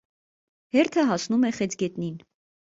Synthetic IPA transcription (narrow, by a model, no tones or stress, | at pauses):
hɛɾt̪ʰəɦɑsnumɛχɛt͡sɡɛt̪nin